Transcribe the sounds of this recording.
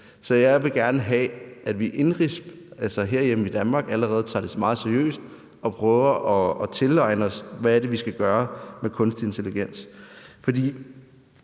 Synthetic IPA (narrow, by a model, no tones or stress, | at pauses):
sɒ̽jɑ̈ɪʋe̝ɡ̥æɐnəɦɛ̰ædʋiʔe̝nʁisb̥ | ælsɐɦe̝ɐ̰jem̩id̥ænmɑ̈ːɡ̥æləʁɛːð̞̩ˠt͡sʰɑ̈ːd̥esmɑ̈ːð̩ˠsæɐjø̰ːsd̥ | ɒ̽pʰʁœːʊɐʔɒ̽ːt͡sʰe̝lɑ̈ɪnəɒ̽sʋææɐ̥e̝ʋisɡ̥æɡ̥ɶːɐmekʰɔ̽nsd̥e̝nt͡sʰe̝liɡ̥en̰sfɒ̽d̥ḭː